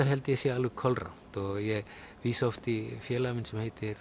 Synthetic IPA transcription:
aɦɛlt̪ɪjɛsjɛalʏkʰɔlra̰wn̥t̪ɔɣjɛ | viːsaɔft̪ifjɛːlamɪnsɛmheːjt̪ɪɾ̥

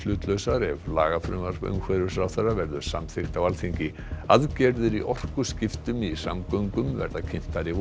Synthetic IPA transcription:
lʏːt̪lœɥsaɾɛvlaːɣafɾʏmaɾœ̰ŋkʰvɛɾʏsɾawθarːavɛɾðʏ̥samθɪxt̪awalθiɲcɪ | aðcɛɾðʏɾiʔɔr̥kʏscɪft̪ʏmisa̰mkœɥŋkʏmvɛ̰ɾðacʰɪn̥t̪aɾɪ

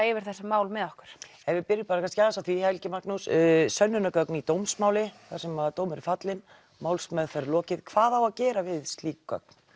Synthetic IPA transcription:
ɛvɪɾ̥θɛsːamaːwlmɛðɔhkʏɾ̥ | ɛnvɪpɪɾjɪpaːɾakʰanskcaasawθvihɛlcɪmaɾknussœnːʏnakœknit̪owmsmaːwlɪθasɛmaðt̪oːwmɛɾɪfat̪lɪn | maːwlsmɛðfɛɾlɔːcɪðkʰvaːðawaðcɛːɾavɪðst̪liːkːœ̰k̚n

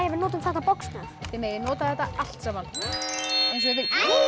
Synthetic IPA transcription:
jɛvɪnɔːt̪ʏmθaht̪apɔkst̪avɪmejðɪnɔːt̪aðɛht̪ːaʔal̥t̪saman | ens̬ɔavɪ

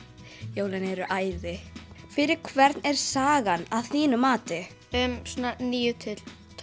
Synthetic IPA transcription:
joːwlɪnɪɛɾʏʔaːjðɪfɪɾɪɾ̥kʰvɛɾt̪nɛɾ̥saːɣanaðθiːnʏmaːt̪ɪ | ʏmswɔnaniːjʏt̪ʰɪl | t̪ʰ

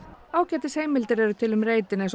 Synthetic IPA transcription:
aːwcɛːt̪ɪsheːjmɪlt̪ɪɾɛɾʏt̪ʰɪlʏmreːjt̪ɪnejns

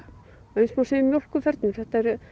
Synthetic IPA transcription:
ejnsmoːseːjɪmjɔl̥kʏfɛɾt̪nʏɾ̥θɛht̪aɛɾ

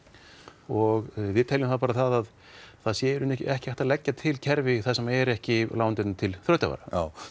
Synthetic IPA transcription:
ɔɣvɪt̪ʰɛljʏmθaðpaːɾaθaðað | θaðsjɛɛɾʏnɛhcɪɛhcɪaht̪alɛcːat̪ʰɪlcʰɛɾvɪθaðsɛmaɛɾɛhcɪlaːwnt̪ɪt̪nat̪ʰɪlθɾœɥt̪a̰va̰ɾaa

